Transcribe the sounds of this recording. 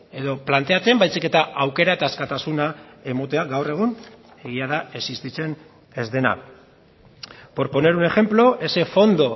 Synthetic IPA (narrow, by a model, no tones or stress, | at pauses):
e̞ðo̞plant̪e̞at͡se̞mbajsike̞t̪aʔawke̞ɾaet̪askat̪asunae̞mo̞t̪e̞aɡawre̞ɣ̞un | e̞ɣiaðae̞sist̪it͡se̞n | e̞zðe̞na̰ | po̞ɾpo̞ne̞ɾune̞xe̞mplo̞ʔe̞se̞fo̞nd̪o̞